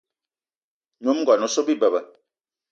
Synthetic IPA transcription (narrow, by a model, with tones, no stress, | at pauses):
ɲũ˨˦m˦ɡɔ˨nũ˨˦so˦bi˦˨bə˨bə˨